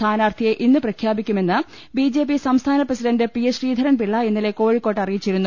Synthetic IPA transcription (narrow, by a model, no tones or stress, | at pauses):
t̪ʰaːnaːrt̪ʰijeʔinːɨprɐkʰjaːbikʲːume̞nːɨ | bid͡ʑe̞ːp̬ːisɐmst̪ʰaːnɐprɐsiɖɐndɨpijeɕriːd̪ʱɐɾɐnpiɭːɐinːile̞ko̞ːɻikːo̞ːʈːɐrijit͡ɕːiɾunːu